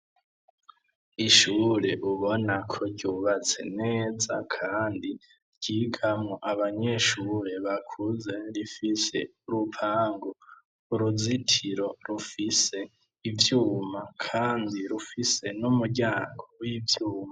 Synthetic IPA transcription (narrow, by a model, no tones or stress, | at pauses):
iʃuːɾe̞ʔuβo̞nakʰoɾɟuːβat͡se̞̰neːza̰kʰaːndi | ɾɟ̥iːɡamŋoʔaβaɲe̞ʃuːɾe̞βakʰuze̞ɾifise̞̰uɾupʰaːŋɡo | uɾuzitʰiɾo̞ɾufise̞ | ivjuːmakʰaːndiɾufise̞numuɟaːŋɡowivjuːma